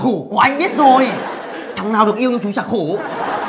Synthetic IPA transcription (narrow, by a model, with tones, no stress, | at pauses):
xu˧˩ku˧˩əʔa˧jŋ̟ɓi˦˥t̚zo˨˩j | t͡ɕʰa˨˩˦ŋnaː˨˩wɗɨ˨˩ək̚i˧əwɲɨ˧t͡ɕu˨˦t͡ɕaː˧˩xu˧˩˦